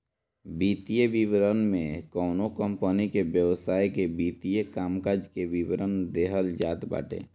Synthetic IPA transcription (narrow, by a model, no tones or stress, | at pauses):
biːt̪ijeʋɪʋɾənmẽkɔːnokə̃mpənikebjəʋsaːikebiːt̪ijekaːmkaːd͡ʒkeʋɪʋɾənd̪eːɦəld͡ʒa̰ːt̪ba̰ːʈḛː